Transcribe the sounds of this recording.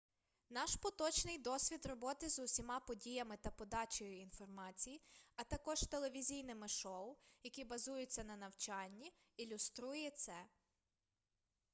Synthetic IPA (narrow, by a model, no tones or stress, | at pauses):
nɑʃpɔt̪ɔt͡ʃnɪjd̪ɔsʲʋʲid̪rɔbɔt̪ɪzʊsʲimɑpɔdʲijɐmɪt̪ɐpɔd̪ɑt͡ʃɔjʊinfɔrmɑt͡sʲijiɐt̪ɐkɔʒ̥t̪ele̞ʋʲizʲijnɪmɪʃɔwjɐkʲibɐzujʊt͡sʲːɐnɐnɐwt͡ʃɑnʲːi | ilʲʊst̪ɾujɛt̪sɛ